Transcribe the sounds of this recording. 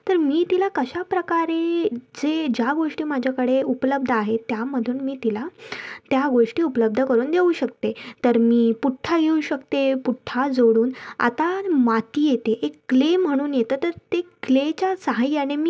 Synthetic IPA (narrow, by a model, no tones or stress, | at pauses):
t̪əɾmiːt̪ilakəɕapɾəkaɾed͡zed͡ʑjaɡoʂʈiːmad͡ʑʱakəɽeupələb̚d̪ʱəaɦet̪jaməd̪ʱuːnmiːt̪ilat̪jaɡoʂʈiːupələb̚d̪ʱəkəɾuːnd̪euːɕək̚t̪et̪əɾmiːpuʈʰːaɡʱeuɕəkt̪epuʈʰːad͡zoɽuːna̰t̪amat̪iːjet̪eʔekːlem̤əɽ̃uːnjet̪əːt̪əɾt̪eklet͡ɕasəɦajjanemiː